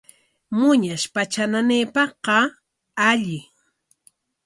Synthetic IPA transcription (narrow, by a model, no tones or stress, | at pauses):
mʊɲaʃpat͡ʃananeːpɑqɑ | aʎɪ